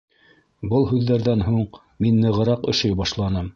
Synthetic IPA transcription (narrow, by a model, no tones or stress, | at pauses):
bɤlˠɦʉðːæɾðænɦuɴ | minːɤ̆ʁɤ̆ɾɑqɵ̆ʃɘjbɑʃlˠɑnɤm